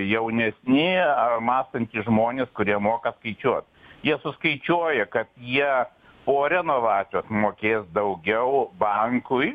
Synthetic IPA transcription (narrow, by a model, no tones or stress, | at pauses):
jɛʊnʲɛsʲnʲɪɐmɑːst̪ɐnʲt̪ʲɪʒmoːnʲeːskʊɾʲiɛmoːkɐskɐɪt͡ʃʲuɔt̪jiɛsʊskɐɪt͡ʃʲuɔjɛkɐt̪jiɛ | poːɾʲɛnoːʋɑːt͡s̪ʲjoːsmoːkʲeːsd̪ɐʊɡʲɛʊbɐŋkʊj